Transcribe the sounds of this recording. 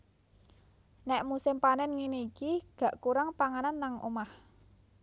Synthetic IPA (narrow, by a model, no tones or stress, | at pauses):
nɛʔmusɪmpanɛnŋinikiɡ̥ä̤ʔkuɾaŋpaŋananːaŋʔo̰mah